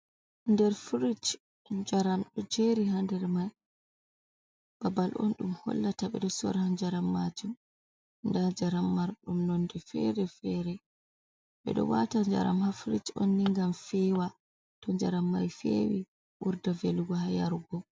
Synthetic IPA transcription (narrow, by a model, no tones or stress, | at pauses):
ndɛɾfɾit͡ʃ | d͡ʒaɾamɗɔd͡ʒeɾiɦandɛɾmaj | b̥abalʔɔ̰nɗumhɔ̰lːataɓɛ̰ɗɔsɔ̰ɾhand͡ʒaɾamːad͡ʒum | ndad͡ʒaɾamːaɾɗumnɔndɛfɛ̰ɾɛfɛɾɛ | ɓɛ̰ɗɔ̰watad͡ʒa̰ɾa̰mhafɾit͡ʃo̰nːiŋɡamfɛwa | tɔnd͡ʒaɾamːajfḛwi | ʔuɾdaveluɡɔhaja̰ɾɡɔ